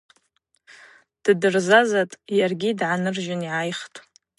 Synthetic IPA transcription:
d̥dɨrzazatʼjarɡʲidʕanɨrʒɪniʕajχtʼ

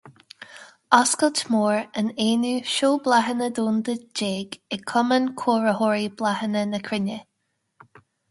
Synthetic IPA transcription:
ɑskəltmoːɹəneːnuːʃoːblaɦənəd̪uːnd̪əd͡ʒeːɡɪkʰɔmənkʰoːɹəhɔːɹib̥lahənənəkʰɹɪnə

